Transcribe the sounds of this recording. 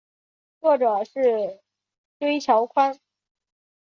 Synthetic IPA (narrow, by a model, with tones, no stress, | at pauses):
t͡swɔ˥˩ʈ͡ʂɤ˨˩ʂɻ̩˥˩ | ʈ͡ʂwe˥ɪt͡ɕʰjɑ˧˥ʊkʰwa˥n